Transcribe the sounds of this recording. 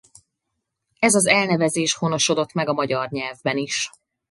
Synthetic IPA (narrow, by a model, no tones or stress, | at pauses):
ɛzɒzɛlnɛvɛzeːʃhono̞ʃo̞d̪o̞t̪mɛɡɒmɒɟɒrɲɛlvbɛniʃ